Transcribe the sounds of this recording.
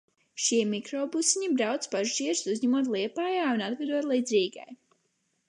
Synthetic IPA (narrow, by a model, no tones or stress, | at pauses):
ʃiɛmikɾɔːbusiɲibɾawt̪spaʒʒiɛɾsuzʲɲɛmuɔt̪lˠiɛpaːjaːunad̪ɡad̪uɔt̪lˠid̪zʲiːɡa̰j